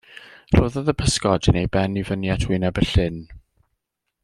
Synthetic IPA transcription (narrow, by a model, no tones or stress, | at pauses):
roːðɔðəpʰəskɔdənejbɛnivənjatʰwinabəɬɪn